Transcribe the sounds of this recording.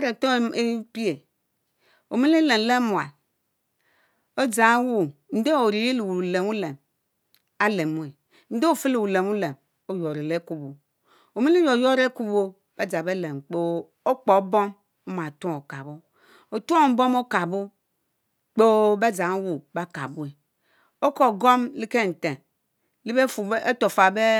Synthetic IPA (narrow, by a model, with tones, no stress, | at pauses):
a˦ɾe˨to˦e˦pi˦e˨ | o˨mi˦le˦le˨m˨le˦mu˨a˨l | o˦d͡za˨˦wu˦n̩˦de˦o˨ɾi˨je˦lu˨wle˨mu˦le˨m | a˦le˨mu˨˦e˨ | n̩˦de˦o˦˨fe˦lu˨wu˨le˨mu˦le˨m | o˦jo˨ɾe˨le˦ku˦bo˨ | o˨mi˦le˦jo˨jo˦ɾe˦ku˦bo˦ | b̥a˦d͡za˨be˦le˨mk͡po˦ | o˦k͡po˨˦bo˦m | o˦ma˨tu˦o˨ka˨bo˦ | o˨tu˦o˦˨m̩˦bo˦mo˦ka˨bo˦ | k͡po˦ba˦d͡za˨ŋ˦wu˨ba˦ka̰˨bu˦e˨ | o˦ko˨ɡo˦mli˦ke˦n̩˨te˨ | li˦be˦fu˨˦e˦to˨fa˨be˦